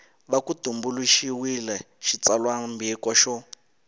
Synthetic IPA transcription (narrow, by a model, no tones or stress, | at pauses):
βakutumbuluʃiwilɛ | ʃit͡salwambikɔʃɔ